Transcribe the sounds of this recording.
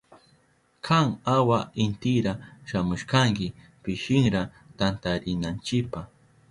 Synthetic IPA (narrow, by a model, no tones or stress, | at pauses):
kʰaŋawaɪnt̪ɪɾaʃamʊʃkaŋkɪ | pɪʃɪŋɾa | t̪ant̪aɾɪnant͡ʃɪpah